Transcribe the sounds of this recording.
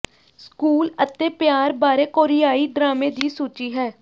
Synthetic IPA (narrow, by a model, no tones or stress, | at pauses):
skuːlət̪eːpɪjaːɾbaːɾeːkoːɾɪjaːiːɖ̪ɾaːmẽːd̪iːsuːt͡ʃiːɦɛː